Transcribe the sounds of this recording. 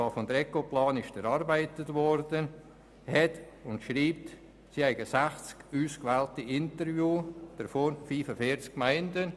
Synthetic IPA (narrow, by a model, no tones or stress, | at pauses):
ɑːfɔmd̪ɾɛkoplɑːnɪʃəɾɑɾbæɪtətvɔɾdə | hɛt | ʊntʃɾiːp̚t | sihɛɪɡəsæχt͡skuːskvɛːltiɪntəɾvjuːd̥əɾfoːɾfiːfəfiːɾt͡skkmaɪndə